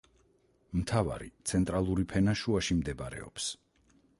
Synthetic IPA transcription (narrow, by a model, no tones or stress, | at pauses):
mt̪ʰava̰ɾḭt̪sʰɛnt̪ʼɾalˠuɾipʰɛnaʃuaʃimd̪ɛbaɾɛ̰ɔ̰ps